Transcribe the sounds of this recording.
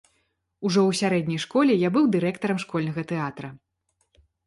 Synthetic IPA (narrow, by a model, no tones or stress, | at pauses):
uʐɔwsʲaɾɛdʲnʲɐjʂkɔlʲɛjabɨwd̪ɨɾɛkt̪ɐɾɐmʂkɔlʲnɐɣɐt̪ɛat̪ɾɐ